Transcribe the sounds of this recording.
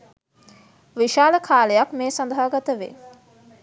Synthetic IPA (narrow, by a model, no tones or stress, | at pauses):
ʋiʃaːləkʰaːlejakmeːsand̪aɦəɡat̪əʋḛ